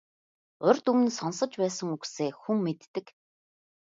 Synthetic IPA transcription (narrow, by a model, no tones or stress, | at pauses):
ʊrʲt̪ɵm̆nsɔnsə̆t͡ɕpæːsə̆ŋukseːxuŋmet̪ːɘ̆k